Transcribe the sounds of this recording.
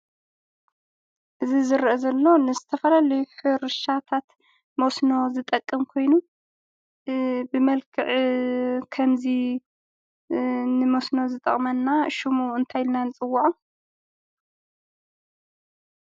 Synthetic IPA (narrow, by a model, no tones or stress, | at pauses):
ʔɨzizɨɾʔɐzɐlːo̞nɨzɨt̪ʰɐfɐlalɐjuħɨɾɨʃat̪ʰat̪ | mosno̞zɨt̪ʼɐkʼːɨmkʰo̞jnu | bɨmɐlkʰɨʕ | kʰɐmzi | nɨmosno̞zɨt̪ʼɐ̰χʼmɐnːaʃumuɨnt̪ʰajlnanɨt͡sʼɨwːaʕu